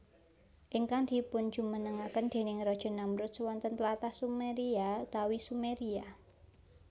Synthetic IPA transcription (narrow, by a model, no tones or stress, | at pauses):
ʔiŋkaŋd̪̥i̤pʊnd̥d͡ʒ̥ṳmənəŋakənd̪̥e̤nɪŋrɔd̥ʒ̥ɔ̤namɾʊt̪̚swɔnt̪ənt̪lat̪ahsumeɾiat̪awisumeɾia